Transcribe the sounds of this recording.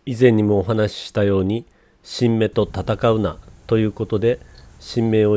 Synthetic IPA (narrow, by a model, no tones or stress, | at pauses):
izẽ̞ɲ̟ːimo̞ːɦanaɕi̥ɕi̥t̪ajo̞ːɲ̟i | ɕĩmːe̞t̪o̞t̪at̪akaɯ̟nat̪o̞jɯ̟ːko̞t̪o̞d̪e̞ɕĩmːe̞ːo̞